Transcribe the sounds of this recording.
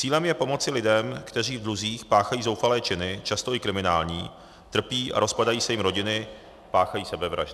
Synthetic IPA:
t͡siːlɛmjɛpo̞mo̞t͡sɪlɪdɛmkt̪ɛriːvd̪ɾuziːxpaːxajiːzo̞wfalɛːt͡ʃɪnɪt͡ʃast̪o̞ɪkɾɪmɪnaːlɲiː | t̪r̩piːʔa̰ɾo̞spadajiːsɛjɪmɾoɟɪnɪ | paːxajiːsɛbɛvɾa̰ʒdɪ

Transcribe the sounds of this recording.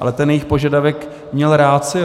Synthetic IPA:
a̰lɛt̪ɛnjɛjixpoʒadavɛk | mɲɛlɾaːt̪t͡sɪ

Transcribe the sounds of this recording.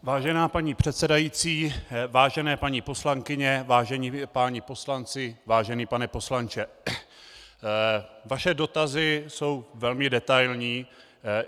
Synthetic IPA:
vaːʒɛnaːpaɲiːpr̝̥ɛt̪sɛdajiːt͡siːvaːʒɛnɛːpaɲipo̞slaŋkɪɲɛvaːʒɛɲiːpaːɲipo̞slant͡sɪvaːʒɛniːpanɛpo̞slant͡ʃɛ | vaʃɛdo̞t̪azɪso̞wvɛlmɪdɛt̪ajlɲiː

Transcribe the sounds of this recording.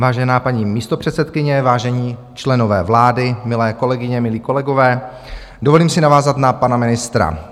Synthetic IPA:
vaːʒɛnaːpaɲiːmiːst̪o̞pr̝̥ɛt̪sɛt̪kɪɲɛvaːʒɛɲiː | t͡ʃlɛno̞vɛ̰ːvlaːdɪmɪlɛːko̞lɛɡɪɲɛmɪliːko̞lɛɡo̞vɛː | dovo̞liːmsɪnavaːzat̪napanamɪnɪst̪ɾa̰

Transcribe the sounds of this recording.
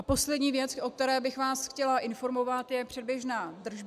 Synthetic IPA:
apo̞slɛdɲiːvjɛt͡sʔo̞k̚t̪ɛɾɛːbɪxvaːsxcɛlaʔɪnfo̞ɾmo̞vat̪jɛpr̥ɛd̚bjɛʒnaːd̪r̩ʒb

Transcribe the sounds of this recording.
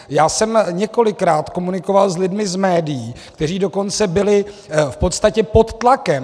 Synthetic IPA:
jaːsɛmɲɛko̞lɪkɾaːt̪ko̞munɪko̞valzlɪdmɪzmɛːdɪjiːkt̪ɛriːdo̞ko̞nt͡sɛbɪlɪ | fpo̞t̪st̪acɛpo̞t̪ːlakɛm

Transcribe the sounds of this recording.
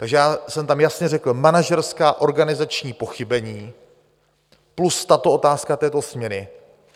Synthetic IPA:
t̪aɡʒɛjaːsɛmt̪amjasɲɛrɛkl̩manaʒɛɾskaːʔo̞ɾɡanɪzat͡ʃɲiːpo̞xɪbɛɲiː | plust̪at̪o̞o̞t̪aːskat̪ɛːt̪osmɲɛɾɪ

